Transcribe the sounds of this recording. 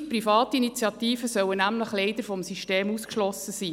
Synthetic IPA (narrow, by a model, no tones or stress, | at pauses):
prifɑːt̪ːinit͡sjɑt̪iːfəsœwənæmləχlɛɪd̥̪əɾfɔmsiʃteːmuskʃlɔsəsiː